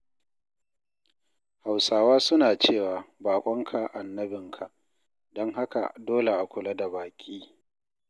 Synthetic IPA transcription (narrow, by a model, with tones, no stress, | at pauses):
ha˨wsaː˨waː˦sʊ˦naː˨t͡ʃeː˦˨waː˨baː˨kʷʼɔ˦ŋkʰa˨ʔa˨nːɐ˦bɪ˨ŋkʰa˨ʔ | dɔ˦ŋɦa˦ka̰˨doː˦le˨ʔa˨kʷʊ˨la˦da˨baː˨kʲʼiː˦